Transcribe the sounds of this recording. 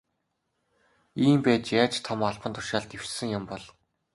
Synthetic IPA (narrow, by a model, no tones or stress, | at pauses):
iːmpæːt͡ɕjaːt͡ɕt̪ʰɔmaɮpə̆nt̪ʰʊ̥ʃaːɮt̪ewt͡ɕsɘ̆ŋjʊmpɔɮ